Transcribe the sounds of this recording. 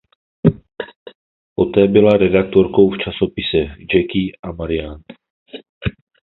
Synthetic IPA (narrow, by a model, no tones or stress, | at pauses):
ʔo̞t̪ɛːbɪlaɾɛdak̚t̪o̞ɾko̞wft͡ʃaso̞pɪsɛd͡ʒɛkɪʔamaɾɪjan